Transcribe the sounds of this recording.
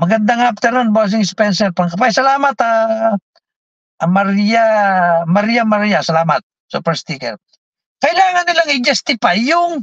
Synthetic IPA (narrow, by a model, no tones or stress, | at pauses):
mɐɡɐnd̪aŋaf̚t̪ɛɾanbas̬ɪŋspɛnsɛɾpɐŋkɐpajsɐlaːmɐt̪a | ʔmɐɾijamɐɾijamɐɾijasɐlaːmɐt̪̚ | sṵpɛɾst̪ikɛ̰ɾ | kɐʔɪlaːŋɐnːɪlaŋɪd͡ʒɛst̪ɪpajʊŋ